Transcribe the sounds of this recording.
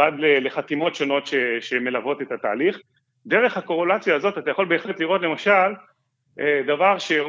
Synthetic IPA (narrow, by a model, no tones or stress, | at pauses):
adlele̞χat̪imo̞tʃo̞no̞tʃe̞ʃe̞me̞lavo̞t̪e̞t̪at̪a̰ːliχ | d̪e̞ʁe̞χhako̞ʁelat͡sjaːzo̞tat̪ajaχo̞lbeːχletliʁo̞tle̞maʃal | edavaʁʃe